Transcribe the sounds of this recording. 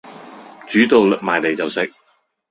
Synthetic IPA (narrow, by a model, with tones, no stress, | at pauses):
t͡ʃyː˨˥t̪o˨wk̚maː˨jle˨jt͡sɐ˨wsɪ˨˥k̚